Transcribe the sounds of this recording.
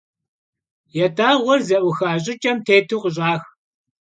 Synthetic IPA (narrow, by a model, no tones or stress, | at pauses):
jɛdaːʁʷɔrzɐʔʷʊxaːɕ̬ʼɪt͡ʃʼɐmtʰeːtʰuːqəɕ̬ʼaːx